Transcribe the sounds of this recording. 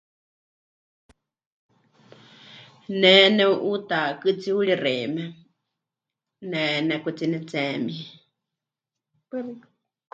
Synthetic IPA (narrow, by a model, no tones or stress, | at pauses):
nɛnɛuʔut̪akɨt͡siuɺirɛmɛ | nɛnɛkut͡sinɛt͡sɛːmi